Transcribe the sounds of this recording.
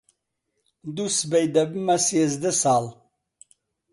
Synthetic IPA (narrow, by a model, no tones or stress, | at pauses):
d̪usbejd̪ɐbmasjɛzd̪əsaːl